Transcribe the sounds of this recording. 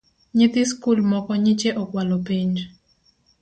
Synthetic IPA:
ɲɪt̪ɪskulmɔkɔɲɪt͡ʃeʔɔkwalɔpiɲd͡ʒ

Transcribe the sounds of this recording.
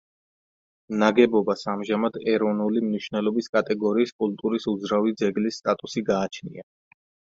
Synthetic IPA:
naɡɛbɔbasamʒamad̪ɛɾɔvnulimniʃvnɛlˠɔbiskʼat̪ʼɛɡɔɾiːskʼult̪ʼuɾisud̪zɾavid̪zɛɡlisːt̪ʼat̪ʼusiɡaːt͡ʃʰnḭa

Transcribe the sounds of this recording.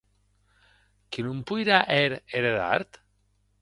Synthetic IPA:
kinumpujɾaʔeɾeɾeða̰ɾt̪

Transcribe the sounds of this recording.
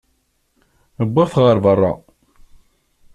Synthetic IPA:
əbːɪʁθʁəɾˤvərˤːɑ̰

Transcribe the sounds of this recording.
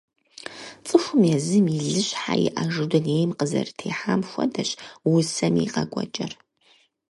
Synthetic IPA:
t͡sʼɨxʷʊmjɛzɨmiɮɨɕħajḭʔɐʒɨdɨnejmqəzɐ̰rtʰeːħamxʷɔ̰dɐɕwʊsɐmḭqɐɡʷʼɔt͡ʃʼɐr

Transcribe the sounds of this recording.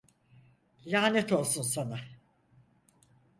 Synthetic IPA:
lʲaːnɛt̪ʰo̞lˠsunsana

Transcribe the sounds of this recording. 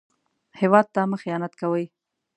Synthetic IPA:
hewɑd̪̚t̪ɑməxijɑnat̪kawəj

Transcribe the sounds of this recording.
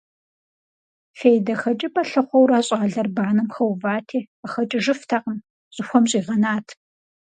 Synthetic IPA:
fejdɐxɐt͡ʃʼɪpɐɬɨχʷɔwraːɕʼaːɮɐrbaːnɨmxɐwvaːtʰiː | ɐxɐt͡ʃʼɪʒɨftʰaːqəm | ɕʼɪxʷɔmɕʼiːʁɐnaːtʰ

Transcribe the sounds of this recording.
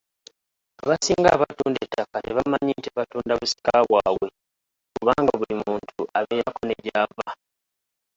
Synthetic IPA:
aβasiːŋɡaːβatuːndetːakane̞βamaɲiːntiaβatuːndaβusi̥kaβwaːβwe̞ | kuβaːŋɡaβulimuːntʰuaβeːjako̞ne̞ɟava

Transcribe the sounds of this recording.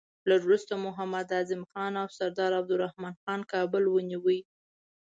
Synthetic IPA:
laɾuɾust̪omʊɦamad̪azɪmxɑnawsaɾd̪ɑɾab̚d̪ʊɾahmɑnxɑnkɑbəlwəniwij

